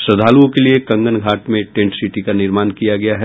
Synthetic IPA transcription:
sɾɐd̪ʱaːluõkeliekɐ̃ŋɡənɡʱaːʈmẽʈẽːɳʈsiʈikanɪɾmaːnkijaɡɐjaɦɛ

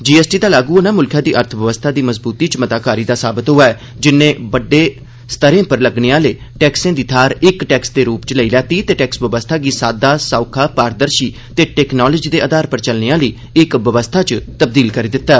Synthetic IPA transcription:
d͡ʒiːɛːsʈiːd̪aːlaːɡuːnaːmʊlkʰjãːd̪iːʔəɾt̪ʰʋəʋəst̪ʰaːd̪iːməzbuːt̪iːt͡ʃmət̪aːkaːɾiːd̪aːsaːbɪt̪ɦʊaːɛ | d͡ʒɪnːẽːbəɖːeː | st̪əɾẽːpəɾləɡneːãːləiː | ʈɛːksẽːd̪iːt̪ʰaːɾɪkʈɛːksd̪eːɾuːpt͡ʃləiːlɛːt̪iːt̪eːʈɛːksʋəʋəst̪ʰaːɡiːsaːd̪aːsaːkʰaːpaːɾd̪əɾʃiː | t̪eːʈɛːknɔːləd͡ʒiːd̪eːʔəd̪aːɾpəɾt͡ʃəlneaːləiː | ɪkʋəʋəst̪ʰaːt͡ʃt̪əb̚d̪iːlkəɾiːd̪ɪt̪ːaː

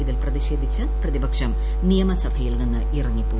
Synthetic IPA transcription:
iðilprɐðiɕe̞ːd̪ʱit͡ɕːɨprɐðibɐkʂɐm | nijɐmɐsɐbʱɐjilninːɨirɐŋːipːo

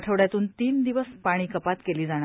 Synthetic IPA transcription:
ʈʰəʋɽjat̪uːnt̪iːnd̪iʋəspaɽ̃iːkəpat̪keliːd͡zaɽ̃a

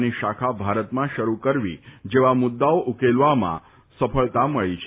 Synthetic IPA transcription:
niʃakʰabʱaɾət̪mãʃəɾukəɾʋḭd͡ʒeʋamʊd̪ːaoʔukelʋamã̰ | səpʰəɭt̪aməɭit͡ʃʰ

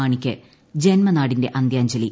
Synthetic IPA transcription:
aːɳikʲːɨ | d͡ʑenmɐnaːɽinde̞ʔɐnd̪jaːɲd͡ʑɐli

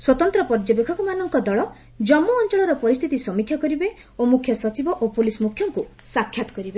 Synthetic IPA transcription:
swɔt̪ɔnt̪ɾɔpɔɾd͡ʒɔbekʰɔkumanɔŋkɔd̪ɔɭɔ | d͡ʒɔmːɔːnt͡ʃɔɭɔɾɔpɔɾist̪ʰit̪isɔmikʰːjɔkɔɾibe | omukʰjɔsɔt͡ʃibɔʔopulismukʰːjɔŋkusakʰːjat̪ɔ̥kɔɾibe

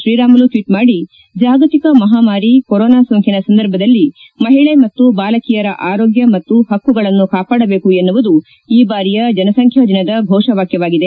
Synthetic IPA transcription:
ʃɾiːɾaːmɐluʈʋiːʈmaːɽi | d͡ʒaːɡɐt̪ikɐmɐɦaːmaːɾikoɾɔːnaːsoŋkʰinɐsɐnd̪ɐɾbʱɐd̪ɐlːi | mɐɦiɭemɐt̪ːubaːlɐkijɐɾɐʔaːɾo̞ːɡjɐmɐt̪ːuɦɐkːuɡɐɭɐnːukaːpaːɽɐbe̞ːkuenːuʋud̪u | iːbaːɾijɐd͡ʒɐnɐsɐŋkʰjɐd̪inɐd̪ɐbʱɔːʂɐʋaːkjɐʋaːɡid̪e̞

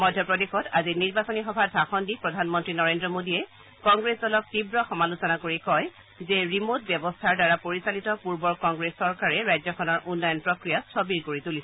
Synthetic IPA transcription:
mɔdʱjɔpɹɔdexɔtaziniɹbasonixɔbʱadʱaxɔndipɹɔdʱanmɔntɹinɔɹendɹɔmodiɛ | kɔŋɡɹesdɔlɔk̚tibɹɔxɔmalusɔnakoɹikɔj | zɛɹimot̚bjɔbɔstʰaɹdaɹapoɹisalitɔpuɹbɔɹkɔŋɡɹesːɔɹkaɹɛɹajzɔkʰɔnɔɹʔunːɔjɔnpɹɔkɹijastɔbiɹkoɹitulisɛɛ

